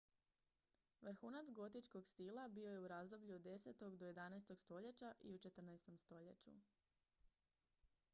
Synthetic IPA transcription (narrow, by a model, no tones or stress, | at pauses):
ʋr̩xuːnat̪sɡo̞t̪it͡ʃko̞ɡst̪ilˠabio̞je̞uɾazd̪o̞bʎuod̪ːe̞set̪o̞ɡd̪o̞je̞d̪anaest̪o̞ɡst̪o̞ʎet͡ɕaʔḭut͡ʃe̞t̪r̩naest̪o̞mst̪o̞ʎet͡ɕṵ